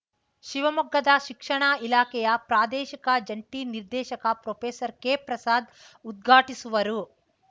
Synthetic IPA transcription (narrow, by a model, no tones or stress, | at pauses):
ʃiʋɐmɐɡːɐd̪ɐʃikʂɐɳaːilaːkɛjɐpɾaːd̪ɛːʃikɐd͡ʒɐɳʈiːniɾd̪ɛːʃɐkɐpɾoːpʰeːsɐɾkepɾɐsaːd̪ | ud̪̚ɡʱaːʈisuʋɐɾu